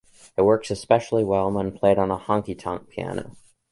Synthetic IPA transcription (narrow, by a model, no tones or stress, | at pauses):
ɨt̚wɜ˞ksɨspɛʃl̩ˠiwɛlˠə̃nwə̃npʰl̥eɪɾn̩əhʌ̃ŋkitʰʌ̰̃ŋk̚pʰiæ̰no̰ʊ